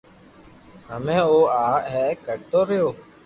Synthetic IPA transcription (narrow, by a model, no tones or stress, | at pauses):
ɦəmẽːoːaːɦɛːkəɽt̪oːɾəjoː